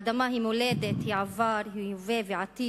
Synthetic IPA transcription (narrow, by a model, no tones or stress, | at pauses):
d̪amaɦimʊleːd̪et̪hiʕavaːɾɦiveːviʕat̪iː